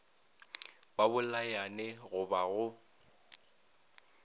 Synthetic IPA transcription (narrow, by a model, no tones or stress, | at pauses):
babʊlajanɛɣʊbaɣʊ